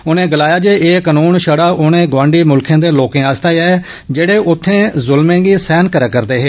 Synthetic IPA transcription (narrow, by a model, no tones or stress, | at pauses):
ʊnẽːɡəlaːjaːd͡ʒeːeːkənuːnʃəɽaːʔʊnẽːɡʋãːɳɖiːmʊlkʰẽːd̪eːloːkẽːaːst̪aːjaː | d͡ʒeːɽeːʔʊt̪ʰːẽːzʊlmẽːɡiːsɛːnkəɾakəɾd̪eːɦeː